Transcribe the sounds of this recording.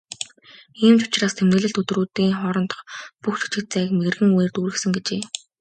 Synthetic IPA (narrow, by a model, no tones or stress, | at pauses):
iːmt͡ɕʊ̥t͡ɕraːst̪ʰemnɘ̆ːɮɘ̆ɬt̪ɵt̪ruːt̪iːŋχɔɾɞ̆nt̪ə̥̆χpuxt͡ɕʰu̥t͡ɕɪ̆kt̪̚t͡sæːkmeɣɘ̆rɣɘ̆ŋweːrt̪uːɾɘ̆xsɘ̆ŋɡet͡ɕeː